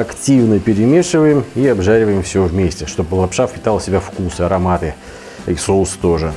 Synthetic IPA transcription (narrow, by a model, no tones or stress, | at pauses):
ɐktʲivnəpʲɪɾʲɪmʲe̞ʂɨvəjɪmiɐbʐaɾʲɪvəjɪmfsʲovmʲesʲtʲɪʂt̪o̞bəlˠɐpʂafpʲɪt̪alˠsʲɪbʲafkusɨɐɾɐmat̪ɨ | isolˠst̪o̞ʐɨ